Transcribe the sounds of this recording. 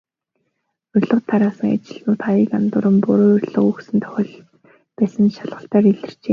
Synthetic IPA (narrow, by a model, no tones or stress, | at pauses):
ɵrʲɮɞ̆qt̪ʰːaɾaːsə̆ŋa̰t͡ɕɪ̆ɮnʊːt̪χajəkant̪ʊːɾə̆mpʊɾoːɵrʲɮə̆χɵksɘ̆nt̪ʰœ̥xʲɪ̆ːɮ | pæːsə̆nʃaɮʁə̆ɬt̪æːɾiɮɘ̆rt͡ɕeː